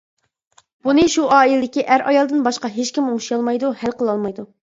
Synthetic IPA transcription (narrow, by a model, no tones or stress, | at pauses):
b̥unɨʃuʔɑːilɪd̪ɪkʲiʔæɾʔɑjɑlˠd̪ɨnbɑʃqɑɦet͡ʃkʲimuŋʃijɑlˠmɑjd̪uhælqʰəlˠɑlˠmɑjd̪u